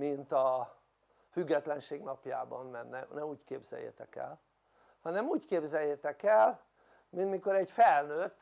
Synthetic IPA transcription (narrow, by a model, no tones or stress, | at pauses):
mint̪ɒ | fyɡːɛt̪lɛnʃeːɡnɒpja̰ːbɒnːɛnnːɛnɛmuːckeːbz̥ɛ̰jːḛt̪ɛkɛ̰l | hɒnɛmuːckeːbzɛjːet̪ɛkɛl | mint̪miko̞ɾɛɟfɛlnøt̪ː